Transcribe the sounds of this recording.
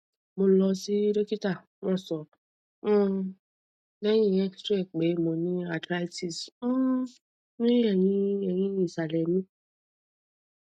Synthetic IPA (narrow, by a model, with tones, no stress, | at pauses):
mõ˨˦lɔ˧si˦ɾe˦ki˦ta˦˨ | wɔ̃˦˨sɔ̃˨˦ | ne˦ɲĩ˦e˦kstɾe˦˨k͡pe˨˦mõ˨nĩ˦a˨tɾa˦ti˨s̩˦ | mĩ˦ɾi˦e˨ɲĩ˦e˨jĩ˦jĩ˨sa˨le˨mĩ˦